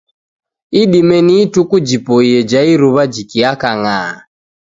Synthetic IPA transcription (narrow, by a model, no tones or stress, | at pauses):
iɗimɛniːtukud͡ʒipɔijɛd͡ʒaiɾuβad͡ʒikiakaŋa